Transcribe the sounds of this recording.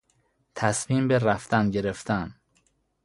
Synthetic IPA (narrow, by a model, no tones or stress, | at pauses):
t̪ʰæsmiːmbeɾæft̪ænɟe̞ɾe̞ft̪æn